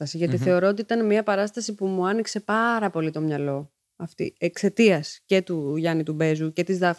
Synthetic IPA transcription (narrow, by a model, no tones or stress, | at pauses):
ɐsiʝɐt̪iθe̞o̞ɾo̞ot̪iit̪ɐnmiɐpɐɾɐst̪ɐsipumuɐnikse̞pɐɾɐpo̞lit̪o̞mɲɐlo̞ | ɐft̪ḭe̞kse̞t̪iɐsce̞t̪uʝɐnit̪ube̞zuce̞t̪izðɐf